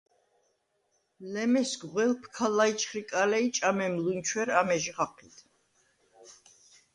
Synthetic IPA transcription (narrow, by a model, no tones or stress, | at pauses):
lɛmɛsɡʁwɛlpʰkʰalait͡ʃʰχɾikʼalɛit͡ʃʼamɛmlunt͡ʃʰwɛɾamɛʒiʁaqʰit̪ʰ